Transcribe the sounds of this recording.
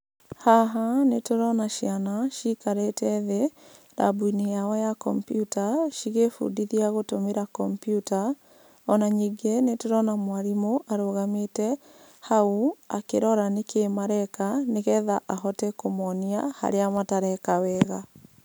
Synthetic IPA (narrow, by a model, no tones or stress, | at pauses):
haɦanetoɾɔnaʃianaʃikaɾetɛðe | ɾa̰bwinijawɔjakɔmpjutaʃiɣefṵdiðiaɣotomeɾakɔmpjuta | ɔnaɲiɡenetoɾɔnamwaɾimoʔaɾoɣametɛ | haua̰keɾɔɾanekʰeːmaɾɛkaneɣɛðaʔaɦɔtɛkomɔniaha̰ɾeamataɾɛkawɛːɣa